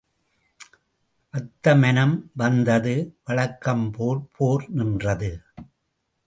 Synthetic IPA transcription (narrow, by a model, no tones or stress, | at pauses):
ʔɐt̪ːɐmɐnɐmʋɐnd̪ɐðɯʋɐɭɐkːɐmpoːɾpʰoːɾnɪndrɐðɯ